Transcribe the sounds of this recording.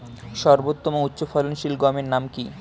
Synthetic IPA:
ʃɔɾbot̪ːomoutːɕofɔlonʃilɡɔmeɾnamki

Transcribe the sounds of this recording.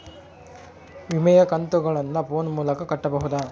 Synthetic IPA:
ʋimɛjɐkɐnt̪uɡɐɭɐnːɐpoːnmuːlɐkɐkɐʈːɐbɐɦud̪ɐ

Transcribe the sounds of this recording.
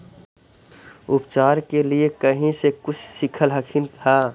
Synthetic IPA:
ʊpt͡ʃaːɾkeliekəɦĩsekʊt͡ʃʰsɪkʰəlɦəkʰint̪ʰa

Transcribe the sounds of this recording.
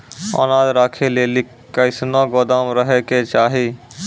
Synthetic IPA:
ə̰naːd̪ɾaːkʰeleːlik | kːəɪsnaɡod̪amɾəɦeket͡ʃaːɦi

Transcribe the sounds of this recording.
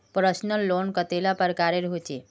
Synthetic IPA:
pɾəsnəlːoːnkət̪elapəɾkaɾeɾɦot͡ʃe

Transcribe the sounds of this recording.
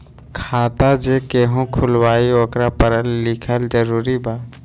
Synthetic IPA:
kʰaːt̪ad͡ʒekeːɦũkʰʊlwaːioːkɾapəɾəlːɪkʰəld͡ʒəɾuːɾibaː

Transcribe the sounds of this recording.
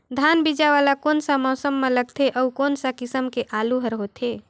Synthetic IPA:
d̪ʱanbid͡ʒaʋalakonsamɔʊsəmːeləɡ̚t̪ʰeʔəukonsakisəmkeʔaluɦəɾɦot̪ʰe

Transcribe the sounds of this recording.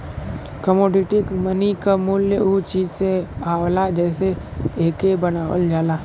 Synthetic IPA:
kəmoːɖɪʈikmənikamuːljəut͡ʃiːd͡ʒseaːwlad͡ʒɛːseeːkebɐnaːwə̰ld͡ʒaːlaː

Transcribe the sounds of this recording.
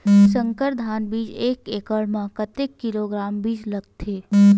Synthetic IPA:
sə̃ŋkəɾd̪ʱaːnbiːd͡ʒeːkeːkəɭmãkət̪ekːɪloːɡɾaːmbiːd͡ʒlɐɡ̚t̪ʰeː

